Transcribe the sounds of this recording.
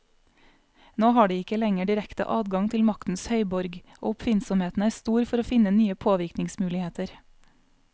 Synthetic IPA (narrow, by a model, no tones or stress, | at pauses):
noːhɑːɖiːɪkəlɛŋəɖɪɾɛkt̪ə̰ʔɑːd̪ɡɑŋt̪ʰɪlmɑkt̪n̩shœʏbɔɾɡʔo̰ːʊpfɪnsɔmheːt̪n̩æːɾst̪uːɾfɔɾoːfɪnənyːəpʰoːʋɪɾknɪŋsmʉːlɪheːt̪əɾ